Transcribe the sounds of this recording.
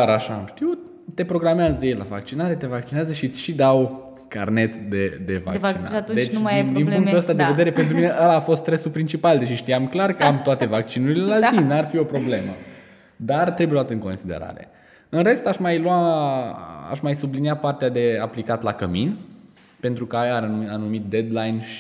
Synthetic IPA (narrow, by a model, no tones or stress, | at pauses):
aɾaʃamʃt̪iw | t̪e̞pɾo̞ɡɾameazəjejla̰va̰k̚t͡ʃinaɾe̞t̪e̞vak̚t͡ʃineazəʃit̪ʲʃid̪aw | ka̰rne̞t̪d̪ed̪e̞va̰kt͡ʃina̰t̪d̪et͡ʃjd̪inuŋkt̪uəst̪ad̪eve̞d̪eɾe̞pe̞nt̪ɾumine̞ʔalaːfo̞st̪ɾesulpɾint͡ʃipald̪eʃiʃt̪iamklarkəamt̪oat̪e̞vak̚t͡ʃinuɾile̞lazinarfio̞pɾo̞ble̞mə̰ | d̪art̪ɾebjlwat̪ɨŋko̞nsid̪eɾa̰ɾe̞̰ | ɨnɾe̞st̪aʃmajlwa | a̰ʃmajsubliniapart̪ead̪e̞aplikat̪lakəmin | pe̞nt̪ɾukəajaanumit̪̚d̪e̞d̪lajnʃ